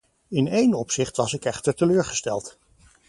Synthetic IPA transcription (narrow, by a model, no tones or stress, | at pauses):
ɪnejnɔpsɪχtʋɑsɪkɛχtəɹtəløːɹχəstɛlˠt